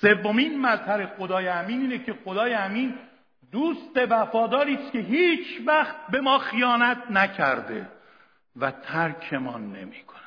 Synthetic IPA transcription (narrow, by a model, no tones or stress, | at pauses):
se̞vːomiːnmæzhæɾe̞xo̞d̪ɒːjeæmiːniːnecʰe̞xo̞d̪ɒːjeæmiːn | d̪uːst̪e̞væfɒːd̪ɒːɾiːskʰe̞ɦiːt͡ʃʰvæxt̪̚be̞mɒːxijɒːnæt̪̚ʰnæcʰæɾd̪e̞̰ | væt̪ʰæɾkʰe̞mɒːnːe̞̰miːkʰonæ̥